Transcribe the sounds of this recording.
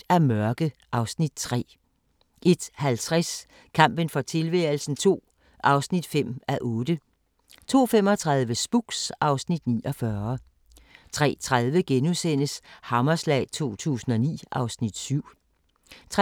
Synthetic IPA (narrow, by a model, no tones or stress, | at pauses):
æɐmɶɐɡ̥əʔɑ̈ʊsnid̥̚t͡sʰʁɛ̰ː | ʔe̝d̥hælt͡sʰʁas | kʰɑ̈m̰b̥ənfɒ̽t͡sʰe̝lʋɛl̩sn̩t͡sʰo̝̰ː | ʔɑ̈ʊsnid̥fem̰æʔɔ̽ːd̥ə | t͡sʰo̝̰ːfem̰ɒ̽t͡sʰʁɑ̈ðˠʋəsb̥uɡ̥sʔɑ̈ʊsnid̥nḭːʔɒ̽fɶɐ | t͡sʰʁɛ̰ːt͡sʰʁaðˠʋəɡ̥enusen̰əshɑ̈mɐslɛ̰ːɪt͡sʰo̝̰ːt͡sʰṵːsn̩ɒ̽nḭːʔɑ̈ʊsnid̥syʊ̰ | t͡sʰ